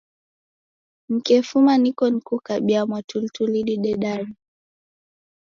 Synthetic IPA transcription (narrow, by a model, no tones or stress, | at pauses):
m̩kɛfumanikɔnikukaɓiamwatultuliɗiɗɛɗaɾi